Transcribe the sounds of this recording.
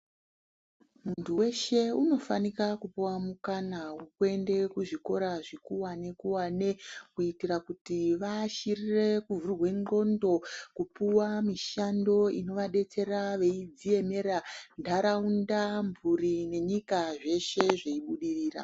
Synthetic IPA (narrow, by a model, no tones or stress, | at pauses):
muntuwe̞ʃe̞uno̞fa̰nikakupuwamukanawukue̞nde̞kuʐiko̞ɾaʐikuwane̞kuwane̞kuitirakutiʋaʃirire̞kuvurwe̞ŋɡo̞ndo̞kupuwamiʃando̞ino̞ʋaɗe̞t͡se̞raʋe̞id͡zie̞me̞ɾandʱaɾaundamburine̞ɲikaʐe̞ʃe̞ʐeiɓuɗiriːra̰